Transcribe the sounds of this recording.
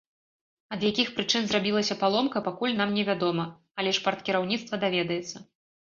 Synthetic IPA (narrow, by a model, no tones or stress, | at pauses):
ɐd̪jakʲixpɾɨt͡ʂɨnzrabʲilˠɐsʲɐpalˠɔmkɐpakulʲnamnʲɛvʲad̪ɔmɐ | ɐlʲɛʂpart̪kʲiɾawnʲit̪st̪vɐd̪avʲɛd̪ɐjɛt̪sːɐ